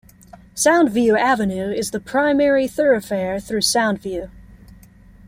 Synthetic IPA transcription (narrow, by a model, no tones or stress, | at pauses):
sãʊ̃ndvjʉævɨnʉɪzðəpʰɹ̥ãɪ̃mɛɹiθɜ˞ɨfɛɹθɹʉsãʊ̃ndvjʉ